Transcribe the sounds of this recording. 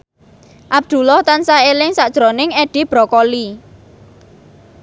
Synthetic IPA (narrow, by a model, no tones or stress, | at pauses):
ʔab̚d̪̥ṳlɔht̪ansaelɪŋsaʔd̥ʒ̥ɾonɪŋeɖ̥ib̥ɾɔkɔli